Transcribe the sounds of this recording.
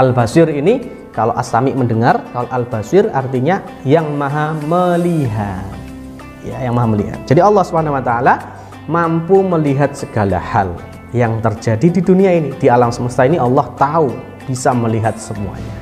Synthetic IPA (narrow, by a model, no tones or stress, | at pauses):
ʔalbasɪrini | kaloʔasamɪʔməndəŋarkaloʔalb̥asɪra̰rt̪iɲa | jaŋmaɦaməliɦat̪̚ | jajaŋmaɦaməlḭɦa̰t̪̚d͡ʒ̥adiɑlːɑhsubəɦanawat̪aːla | mampuməliɦat̪̚səɡ̥ala̰hal | jaŋt̪ərd͡ʒadididuniainid̥ialamsəməst̪ainiɑlːɔht̪au | b̥isaməliɦat̪̚səmṵa̰ɲa̰